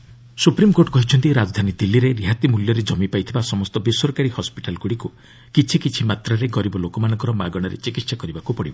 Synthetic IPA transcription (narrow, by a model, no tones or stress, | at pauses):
supɾimkoɾʈkɔɦit͡ʃʰɔnt̪iɾad͡ʒɔd̪ʱanid̪ilːiɾeɾiɦat̪imuljɔɾed͡ʒɔmipajt̪ʰibasɔmɔst̪ɔbisɔɾkaɾihɔspiʈalɡuɽiku | kit͡ʃʰikit͡ʃʰimat̪ɾaɾeɡɔɾibɔlokɔmanɔ̃ŋkɔɾɔmaɡɔɽ̃ɔɾḛt͡ʃikit̪ːsakɔɾibakupɔɽibɔ